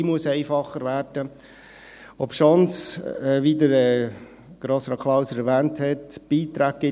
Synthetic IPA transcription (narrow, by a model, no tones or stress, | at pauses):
imuəsɛɪfɑχəɾʋæːrd̥ə | ɔpʃɔnsɛʋid̪əɾɛ | ɡ̥ɾɔsɾɑkʰlɑʊsəɾɛɾʋæːnthɛtb̥iːt̪ɾæːk̚ɡɪ